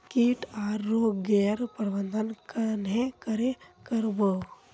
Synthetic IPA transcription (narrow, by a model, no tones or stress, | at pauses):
kiʈaːɾːoɡeːɾpəɾʋənd̪ʱənkənekɐɾekəɾbə